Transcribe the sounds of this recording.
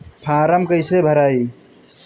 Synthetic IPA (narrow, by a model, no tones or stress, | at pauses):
pʰaːɾəmkəɪsebʱəɾaːi